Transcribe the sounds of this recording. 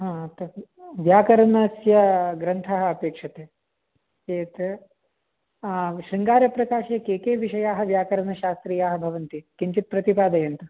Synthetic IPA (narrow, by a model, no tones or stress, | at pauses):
ɦãːt̪ɐʋjaːkɐɾɐnɐsjɐɡɾɐnt̪ʰaːɦɐɐpeːkʂɐt̪eː | eːt̪ | ʃɾiŋɡaːɾjɐpɾɐkaːʃekeːkeːʋiʃɐjaːɦɐ̆ʋjaːkɐɾɐnɐʃaːst̪ɾiːjaːɦɐbʱɐʋɐnt̪ikiɲt͡ʃit̪̚pɾɐt̪ipaːd̪ɐjɐnt̪ɐ